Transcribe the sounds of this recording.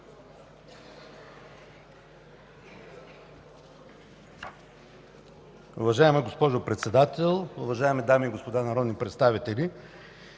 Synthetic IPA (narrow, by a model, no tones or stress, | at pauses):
ʊvɐʒaɛmɛɡospɔʒopɾɛt̪sɛd̪at̪ɛlˠʊvɐʒaɛmɛd̪amiːɡospod̪anɐɾɔd̪nipɾɛt̪st̪avit̪ɛli